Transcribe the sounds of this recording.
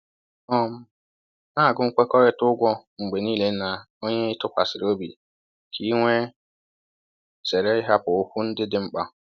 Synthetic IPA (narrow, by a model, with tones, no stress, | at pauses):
ɔ˦m˦ | na˦˨ɡʊ˦ŋ̩˦˨kʷɛ˦kɔ˦ɾɛ˦tʊ˦ɡʷɔ˦ŋ͡m̩˨ɡ͡be˨niː˦le˨˦na˨ | o˦ɲe˦i˦tʊ˦pa˨sɪ˨ɾo˦bḭ˨ | kʰi˦ŋʷe˦ | sɛ˨ɾɛ˦ɪ˦ɦa˦pʊ˨o˦ku˦n̩˦dɪ˦dɪ˦m̩˦k͡pa˦